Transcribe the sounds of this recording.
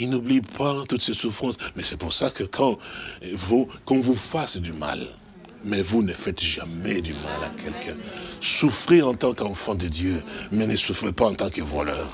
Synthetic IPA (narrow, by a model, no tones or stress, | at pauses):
inublipʰat̪ut̪sɛsufχɑ̃smɛsɛpuʁsakəkʰɑ̃ | vukɔ̃vufasd̪yma̰l | mɛvunəfɛt̪ʒamɛd̪yma̰lakʰɛlkʰɛ̃sufʁeɑ̃t̪ɑ̃kɑ̃fɑ̃d̪əd̪jømɛnəsufʁepaɑ̃t̪ɑ̃kəvwa̰lœ̰ːʁ